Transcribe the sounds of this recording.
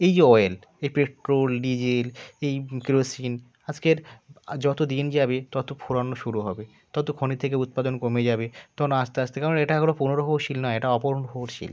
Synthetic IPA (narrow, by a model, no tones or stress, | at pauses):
ejɔel | ejpeʈɾolɖid͡ʑelejkiɾosin | ad͡ʑkeɾd͡ʑɔt̪od̪ind͡ʑabet̪ɔt̪opʰuɾanːoʃuɾuɦɔbe | t̪ɔt̪okʰonit̪ʰekeut̪̚pad̪onkomed͡ʑabet̪ɔkʰonoaʃt̪eaʃt̪ʰekaɾoneʈaɡolopunoɾoɦoʃilnɔeeʈaɔpoɾoɦoɾʃḭl